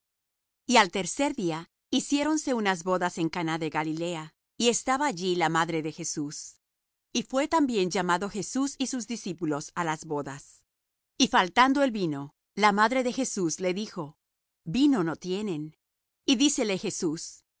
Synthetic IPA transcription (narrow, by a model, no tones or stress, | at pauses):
ialt̪e̞ɾse̞ɾðia | isje̞ɾo̞nse̞unazβo̞ðase̞ŋkanaðe̞ɣalile̞a | ie̞st̪aβaːʝilamaðɾe̞ðe̞xe̞sus | ifwe̞t̪ambje̞nd͡ʒamaðo̞xe̞susisuzðisipulo̞salazβo̞ðas | ifalt̪and̪o̞e̞lβino̞ | lamaðɾe̞ðe̞xe̞susle̞ðixo̞ | bino̞no̞t̪je̞ne̞n | iðise̞le̞xe̞sus